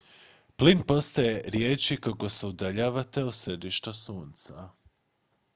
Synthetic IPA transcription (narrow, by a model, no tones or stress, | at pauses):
plinpo̞st̪aje̞ɾjeːt͡ʃikako̞seud̪aʎaːʋat̪e̞osɾed̪iʃt̪asuːnt̪sa